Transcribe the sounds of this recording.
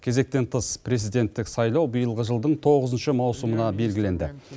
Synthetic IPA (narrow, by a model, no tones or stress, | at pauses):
kʲʰe̞ze̞k̚t̪e̞nt̪ʰəspʰre̞zijd̪e̞nt̪ːɪksɑjlˠɑwbijəlˠʁəʒəlˠd̪əɴt̪ʰo̞ʁəzənʃəmɑwsumənɑbe̞lɡʲɪle̞nd̪ɪ